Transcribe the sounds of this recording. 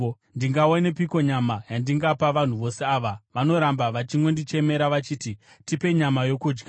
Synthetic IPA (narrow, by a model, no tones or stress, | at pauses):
ndiŋɡaonep̬iko̞ɲamajandiŋɡapaʋan̤uʋo̞se̞aːʋaʋano̞ɾambaʋat͡ʃiŋɡo̞ndit͡ʃe̞me̞ɾaʋat͡ʃiːti | tipe̞ɲamajo̞kuːd͡ʒɡa